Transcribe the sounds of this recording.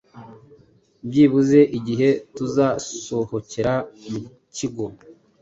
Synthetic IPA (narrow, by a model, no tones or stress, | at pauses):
bɟiβuze̞ʔiɟiɦe̞tuzaso̞ho̞ceɾamu | ciɡo